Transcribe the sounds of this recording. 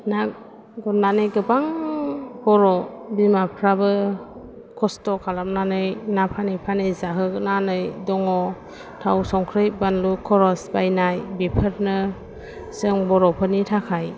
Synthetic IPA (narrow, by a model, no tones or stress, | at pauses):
nak̚ | ɡɔnnanɯjɡɯbaŋ | bɔɾɔbimapʰɾabɯ | kʰɔstɔkʰalamnanɯjnapʰanɯjpʰanɯjzaɦɯknanɯjdɔŋɔ | tʰawsɔŋkʰɾɯjbanlukʰɔɾɔsbajnajbipʰəɾnɯ | sɯŋbɔɾɔpʰɯnitʰakʰaj